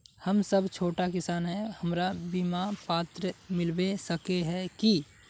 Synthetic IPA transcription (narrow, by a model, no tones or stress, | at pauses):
hɐmsɐbt͡ʃʰoːʈakɪsaːnɦɛhɐmɾabiːmapaːt̪ɾəmɪlbesəkeɦɛ̃ki